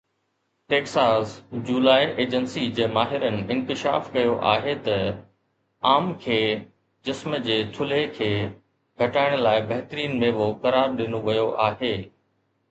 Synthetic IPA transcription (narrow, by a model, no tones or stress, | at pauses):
ʈeːksaːsd͡ʑuːlaːiʔeːd͡ʑənsid͡ʑeːmaːɦɪɾənɪ̆ɪ̃nkɪʃa̰ːfkɐjoʔa̰ːɦet̪ɐ | aːmkʰeː | d͡ʑɪsməd͡ʑeːt̪ʰʊlekʰeː | ɡʱɐʈaːɪɽ̃laːɪbɐɦɪt̪əɾiːnmẽʋokɐɾaːɾɗɪnoʋɐjoʔaːɦeː